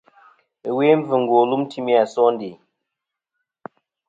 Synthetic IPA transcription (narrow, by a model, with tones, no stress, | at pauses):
ə˨we˦ɱ̩˦vɨ˨ŋ̩˨ɡwo˨lu˦m˦tʰi˦mi˦a˨sɔ˦n˦de˨